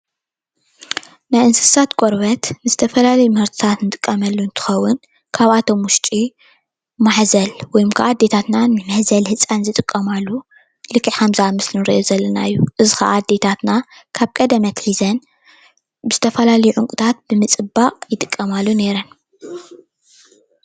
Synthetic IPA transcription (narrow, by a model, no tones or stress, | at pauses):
najɨnsɨ̥sat̪kʷʼoɾβɐt̪nɨzɨt̪ʰɐfɐlalɐjumhɐɾt̪ʰɨ̥t̪ʰat̪nɨt̪ʼɨkʼːɐmɐlːunt̪ʰɨ̥xɐwːʊn | kʰaβat̪ʰo̞mwʊʃt͡ʃʼi | maħzɐlwɔjmkʰa̰ʔad̪ːe̞t̪ʰat̪nanɨmɐħzɐlhɨt͡sʼanzɨt̪ʼɨkʼːɐmalːu | lɨkʰːiʕħamzamɨslɨnɨɾiʔozɐlːɐnaɨjːuʔɨzɨxa̰ʔad̪ːe̞t̪ʰat̪nakʰaβkʼɐd̪ɐmɐt̪ħizɐn | bɨz̥ɨt̪ʰɐfɐlalɐjuʕʊŋkʼut̪ʰat̪̚b̥ɨmɨt͡sʼɨbaʔʼjɪt̪ʼɨkʼːɐmalːune̞ɾɐn